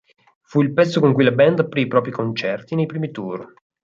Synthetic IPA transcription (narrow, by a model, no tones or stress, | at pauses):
fuilpɛt̪sːokoŋkujlabɛnd̪apːɾiːpɾɔːpɾikont͡ʃɛrt̪inejpɾiːmit̪ur